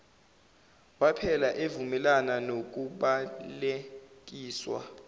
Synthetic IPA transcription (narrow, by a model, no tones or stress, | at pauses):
wapʰɛlaʔevumɛlananok̬uɓalek̬iːswa̰